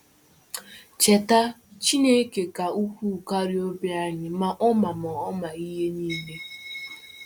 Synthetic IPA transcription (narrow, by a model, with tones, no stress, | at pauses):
t͡ʃe˨ta˦ | t͡ʃi˦ne˦ke˨ka˨u˦kʷu˦˨ka˦ɾi˦o˦bja˦ɲɪ˨ma˨ʔɔ˦ma˨mɔ˨ɔ˦ma˨i˦ɦe˦niː˦le˦